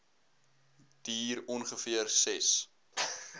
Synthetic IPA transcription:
d̥iːɾɔnχəfiərsɛs

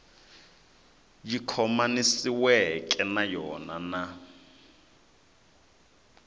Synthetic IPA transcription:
jikʰɔmanisiwɛkʼɛnajɔnana

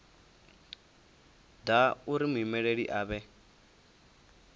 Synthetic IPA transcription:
dauɾimuimɛɺeɺiʔaːβɛ

